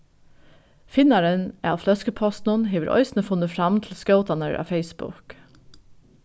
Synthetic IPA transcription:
fɪnɑɾənæːɑːʋflœskəpʰɔst̪n̩ʊnɦeːʋəɾʔɔ̰ʏsnəfʊnəfɾɑmt̪ʰl̩skɑʊt̪ɑnəɹʔɑ̰ːfeɪsbʊ̰k

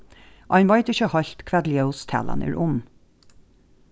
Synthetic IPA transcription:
ʔɑɪnʋɑɪt̪ɪçəhɑɬt̪kʰʋɛd̪lɪəʊst̪ʰɛ̰lɑ̰nʉ̰ɹʔʊn

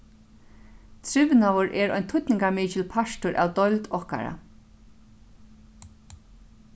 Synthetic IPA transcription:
t̪ʰɾɪʋnawʊɹʔɛɾɔ̰jnt̪ʰʊt̪nɪŋkamiːt͡ʃɪlpʰaʃtʊɹʔa̰wd̪ɔjlt̪ɔhka̰ɾa̰

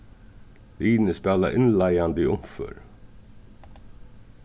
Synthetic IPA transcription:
liːnəspɛːla̰ʔɪnlajand̪iʊmfœ̰ɾ

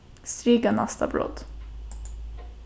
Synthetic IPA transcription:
st̪ɾiːɡana̰st̪a̰bɾɔ̰d̪̥

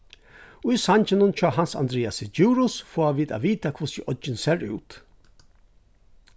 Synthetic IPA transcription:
ʊjsant͡ɕɪnʊnt͡ʃʰɑːɦansa̰nd̪ɾeːasɪd͡ʒuːɾʊsfoːaʋiːd̪a̰ːʋiːt̪akʰʊsɪʔɔd͡ʒɪnseːɾʉ̰ːt̪

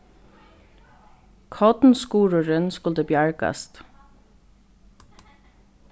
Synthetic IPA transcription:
kʰɔt̪nskuːɾʊɾɪnskʊlt̪əbjaɹka̰st̪

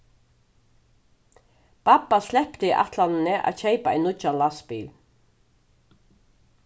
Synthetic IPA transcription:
papːaslɛpt̪iʔa̰t̪lannɪʔa̰ðɕejpaɛ̰jnʊt͡ʃanlaspiːl

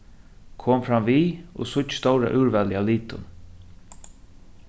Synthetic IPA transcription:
kʰoːmfɾamviːo̰sʊt͡ʃːst̪ɔwɾa̰ʔʉːɹvɛlɪaliːt̪ʊ̰n

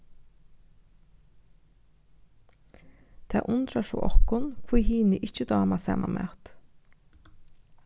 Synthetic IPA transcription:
t̪ʰɛ̰ːʔʊnt̪ɾaʃɔ̰ːʔɔkʊnkʰvujhiːnɪʔɪt͡ʃːəd̪ɑːmasɛ̰ːmʔa̰mɛ̰ːt̪

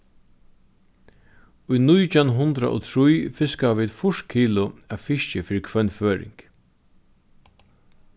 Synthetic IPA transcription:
ʊjnʊjt͡ʃanɦʊnt̪ɾa̰ʔɔ̰t̪ʰɾujfɪskaʋiːd̪fʊʂt̪̚kʰiːlʊaðfɪʃt͡ʃɪfɪːɾɪkʰvœnføːɾɪ̰ŋk

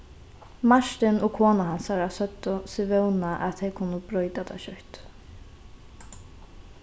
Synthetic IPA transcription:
maʃt̪ɪnʊkʰoːnaɦansaɾasœt̪ːʊsɪvɛwnaʔa̰t̪ɛjkʰʊnːʊbɾɔjt̪at̪ʰa̰ʃœht̪

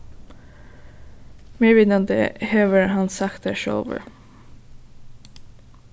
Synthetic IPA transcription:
meːʋɪːd̪nɑnd̪ə̰heːʋəɾhɑnsɑkt̪æʃo̰ːʋə̰ɹ

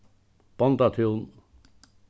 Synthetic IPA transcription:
pɑnt̪ɑt̪ʰiun

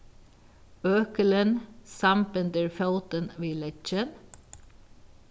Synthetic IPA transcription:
øːkələnsɑmpɪnd̪əɹfœʊt̪ənʋiːlɛt͡ʃən

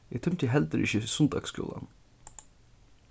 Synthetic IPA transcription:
it̪ʰœmt̪ʰiːɦɛld̪əɾʔɪçəsʉnd̪ɑ̰ɡskṵːlɑ̰n

